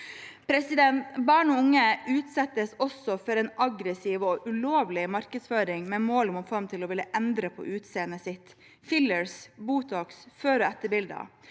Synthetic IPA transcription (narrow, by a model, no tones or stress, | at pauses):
pʰɾɛsɪd̪ɛnt̪bɑːɳɔʊŋːəʔʉːt̪sɛt̪ːəsɔsɔfɔɾɛnɑɡɾəsiːʋɔʔʉloːʋlɪmɑɾkəd̪sføːɾɪŋmɛmoːlmʊfɔɾmt̪ʰɪlɔʋɪləʔɛnd̪ɾəpʰɔ̰ʔʉːt̪seːənəsɪt̪ | fɪləɹsbuːt̪ʰɑːksføːɾɔɛt̪ːəbɪld̪ɑ̰